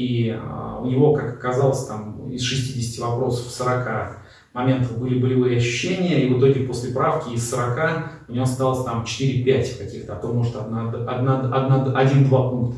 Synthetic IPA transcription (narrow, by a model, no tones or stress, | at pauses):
iʊ̰nʲɪvo̞kakɐkɐzalˠəsʲt̪amɪsʂɨsʲtʲidʲɪsʲɪ̥tʲɪvɐpɾo̞sə̥fsəɾɐka | mɐmʲe̞nt̪əvbɨlʲɪbəlʲɪvɨjəɐɕːʉ̥ɕːenʲɪjəivɨt̪o̞ɡʲɪpo̞sʲlʲɪpɾafkʲɪɪsʲsəɾɐkaʊnʲɪjost̪alˠəsʲt̪amt͡ɕɪ̥t̪ɨɾʲɪpʲætʲkɐkʲixt̪əɐt̪omo̞ʐɨt̪ɐd̪naɐd̪naɐd̪naɐdʲind̪vapunkt̪ə